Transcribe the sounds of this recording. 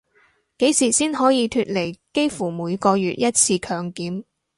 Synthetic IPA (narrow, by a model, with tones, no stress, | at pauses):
ke˨˥jsiː˨˩siː˥nhɔː˨˥jiː˨˧t̪ʰyː˧t̚le˨˩jke˥jfuː˨˩muː˨˧jkɔː˧jyː˨t̚jɐ˥t̚t͡sʰiː˧kʰœː˨˧ŋkiː˨˥m